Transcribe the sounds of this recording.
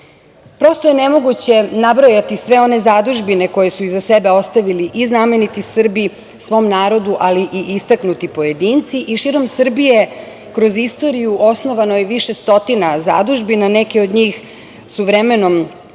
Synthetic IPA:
pɾo̞st̪o̞jenemo̞ɡut͡ɕe̞nabɾojat̪isʋe̞o̞ne̞zad̪uʒbine̞ko̞je̞suizase̞be̞o̞st̪aʋiliʔizname̞nit̪isr̩bi | sʋo̞ːmnaːɾo̞d̪uʔaliʔiʔist̪aknut̪ipo̞je̞d̪int̪siʔiʃiːɾo̞msr̩bije̞ | kɾo̞zist̪o̞ɾijuʔo̞sno̞ʋano̞jeʋiʃe̞st̪o̞t̪inaza̰d̪uʒbinane̞keo̞d̪ɲiːx | suʋɾeme̞no̞m

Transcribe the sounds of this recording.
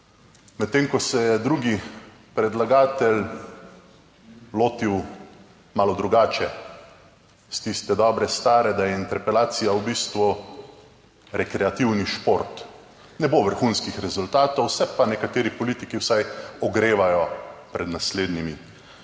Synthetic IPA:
mɛt̪ːeːŋkɔsɛjɛd̪ɾuːɡi | pɾɛd̪laɡaːt̪ɛl | loːt̪iw | maːlɔd̪ɾuɡaːt͡ʃɛ | st̪ist̪ɛd̪ɔːbɾɛst̪aːɾɛd̪ajɛint̪ɛɾpɛlaːt̪sijawbiːst̪ʋu | ɾɛkɾɛat̪iwniʃpoɾt̪ | nɛboʋəɾxunskixɾɛzult̪aːt̪ɔwsɛpanɛkat̪eːɾipɔlit̪ikiwsajɔɡɾeːʋajɔpɾɛd̪nasleːd̪nimi

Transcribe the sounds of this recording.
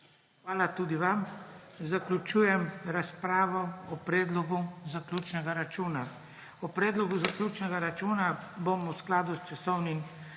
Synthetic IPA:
xʋaːlat̪uːd̪iʋamzaklʲut͡ʃuːjɛmɾaspɾaːʋɔɔpɾɛːd̪lɔɡuzaklʲuːt͡ʃnɛɡaɾat͡ʃuːna | ɔpɾɛːd̪lɔɡuzaklʲuːt͡ʃnɛɡaɾat͡ʃuːnabomusklaːd̪ust͡ʃasɔwnim

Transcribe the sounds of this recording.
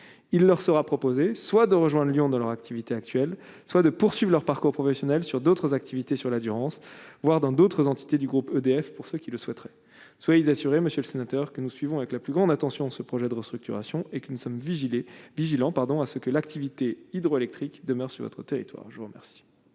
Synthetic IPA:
ilːœʁsəʁapχɔpozeswad̪əʁəʒwɛ̃d̪ʁljɔ̃d̪ɑ̃lœʁakt̪ʰivit̪eak̚t̪ɥɛl | swad̪əpuʁsɥivʁlœʁpaʁkuʁpχɔfɛsjɔnɛlsyʁd̪ot̪χəzak̚t̪ʰivit̪esyʁlad̪yʁɑ̃svwaʁd̪ɑ̃d̪ot̪χəzɑ̃t̪i̥t̪ed̪yɡʁupød̪eɛfpuʁsəkʲiləswɛt̪ʁɛ | swajezasyʁeməsjøləsenat̪œʁkənusɥivɔ̃avɛklaplyɡʁɑ̃d̪at̪ɑ̃sjɔ̃səpχɔʒɛd̪əʁəst̪χyk̚t̪ʰyʁa̰sjɔ̃ekənusɔmviʒileviʒilɑ̃paʁd̪ɔ̃asəkəlak̚t̪ivit̪eid̪ʁɔelɛk̚t̪χikd̪əmœʁsy̰ʁvɔ̰t̪χət̪eʁḭt̪wa̰ːʁʒəvuʁəmɛ̰ʁsi̥

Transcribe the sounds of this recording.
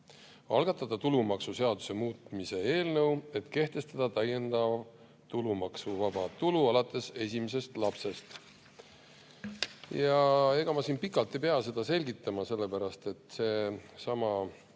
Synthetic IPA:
ɑ̰lɡ̥ɑt̪ːˑɑd̪̥ɑt̪ulumɑksuse̞ɑd̪use̞muːt̪mise̞eːlnɤ̞we̞t̪ke̞ht̪e̞st̪ɑd̪̥ɑt̪æje̞nd̪ɑv | t̪ulumɑksuvɑb̥ɑt̪uluɑlɑt̪ːˑe̞se̞sʲimes̬e̞st̪lɑpse̞st̪ | jɑe̞ɡ̥ɑmɑsinpikˑɑlt̪ːˑejpeɑse̞d̪ɑse̞lʲɡit̪ːˑɑmɑse̞lːepæɾɑst̪e̞t̪se̞ːsɑmɑ

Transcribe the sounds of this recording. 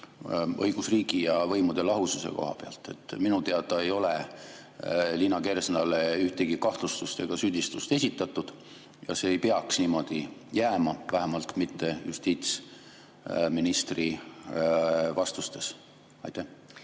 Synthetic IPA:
ɤjɡ̥usriːɡijɑvɤ̞jmud̪̥e̞lɑɦususe̞̰ko̞̰ɦɑ̰peɑ̰lt̪ːˑe̞t̪ˑːminut̪eɑd̪̥ɑe̞jo̞le | linːɑke̞ɾesnɑle̞yht̪eɡ̥ikɑht̪lust̪ust̪e̞ɡ̥ɑsyd̪̥ʲist̪ust̪e̞sʲit̪ːˑɑt̪ːˑud̪̥ | jɑ̰se̞ːjpeɑksniːmo̞d̪̥ijæːmɑvæɦemɑlt̪mit̪ːe̞jṵst̪iːt̪s | minist̪ri | vɑst̪ust̪e̞s | ɑ̰jt̪æh

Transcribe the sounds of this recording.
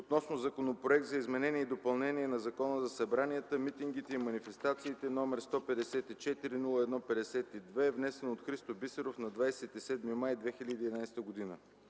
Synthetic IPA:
ot̪nɔsnozɐkonopɾoɛk̚t̪zɐizmɛnɛniɛid̪opɐlˠnɛniɛnɐzɐkɔnəzɐsɐbɾanijət̪əmit̪iŋɡit̪ɛimɐnifɛst̪at̪siːt̪ɛnɔmɛɾst̪ɔpɛd̪ɛsɛt̪it͡ʃɛt̪iɾinulˠəɛd̪nɔpɛd̪ɛsɛt̪id̪vɛɛvnɛsɛnot̪xɾist̪obisɛɾofnɐd̪vajsɛt̪isɛd̪mimajd̪vɛxilʲəd̪iːd̪ɛnajst̪əɡod̪inə

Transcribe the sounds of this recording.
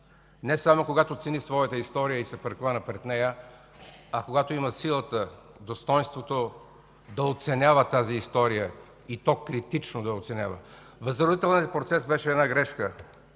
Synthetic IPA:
nɛsamokoɡat̪ot̪sɛnisvɔjət̪əist̪ɔɾijəisɛpɾɛklˠanəpɾɛt̪nɛjə | ɐkoɡat̪oiməsilˠət̪ə | d̪ost̪ɔjnst̪vot̪o | d̪ɐot̪sɛnʲavət̪aziːst̪ɔɾijə | it̪ɔkɾit̪it͡ʃnod̪ɐot̪sɛnʲavə | vɐzəɾod̪it̪ɛlˠniəpɾot̪sɛsbɛʃɛːd̪naɡɾɛʃkə

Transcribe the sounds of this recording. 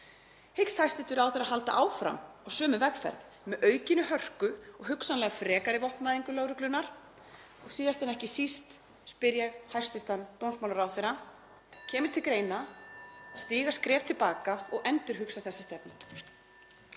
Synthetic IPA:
hɪkst̪hajst̪ɪt̪ʏɾawθɛɾaɦalt̪a̰ʔaːwfɾa̰mɔɣsœːmʏvɛkfɛ̰ɾð | mɛðʔœːɥcɪnːʏhœr̥kʏɔɣɦʏksanlɛːɣafɾɛːkaɾɪvɔht̪maːðiŋkʏloːwɾʏklʏnːaɾ̥ | ɔɣsiːðast̪ɛnɛhcɪsist̪ | spɪɾjɛɣhajrst̪ʏst̪ant̪ownsmawlaɾawθejɾa | cʰɛːmɪɾ̥t̪ʰɪlkɾeːjna | st̪iːɣḁskɾɛːvt̪ʰɪlpaːkaɔɣʔɛnt̪ʏɾ̥ɦʏksaθɛsːast̪ɛpnɪ

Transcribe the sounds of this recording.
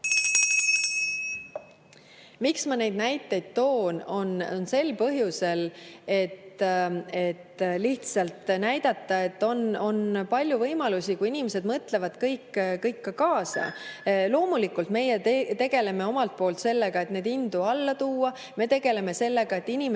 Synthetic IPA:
miksmɑne̞jd̪̥̚næjt̪ːˑe̞jd̪̥̚t̪o̞ːnonnse̞lpɤɦjuse̞le̞t̪ | e̞t̪liht̪sɑlt̪næjd̪̥ɑt̪ˑːɑe̞t̪ːo̞no̞npɑlʲjuvɤjmɑlusikuinimese̞d̪mɤt̪le̞vɑd̪̥kɤjkːkɤjkːɑkɑːsɑ̰lo̞ːmulikːˑult̪me̞jet̪e̞ɡ̥e̞le̞me̞o̞mɑlt̪̚po̞ːlt̪se̞lːeɡ̥ɑe̞t̪ne̞d̪ind̪̥uɑlːɑt̪uːɑ | me̞t̪e̞ɡ̥e̞le̞me̞se̞lːe̞ɡ̥ɑe̞t̪ˑːinʲim

